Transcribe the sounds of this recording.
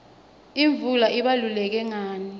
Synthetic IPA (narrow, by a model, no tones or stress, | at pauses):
iɱvulaʔiɓalulɛk̬ɛŋaːni